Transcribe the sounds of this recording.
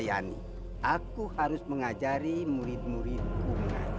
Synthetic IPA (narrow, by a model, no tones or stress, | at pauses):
ja̰nḭ | ʔakuhaɾʊsməŋad͡ʒaɾimuɾɪt̪̚muɾit̪̚kuŋa̰